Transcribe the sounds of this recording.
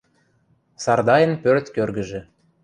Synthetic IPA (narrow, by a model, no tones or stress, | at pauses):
sɑrd̪ɑjə̆npørt̪kørɡə̆ʒĕ